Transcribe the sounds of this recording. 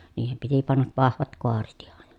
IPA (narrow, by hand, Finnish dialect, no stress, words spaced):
niːhem piti pɑnːɑʋ ʋɑhʋɑt koɑret ihɑn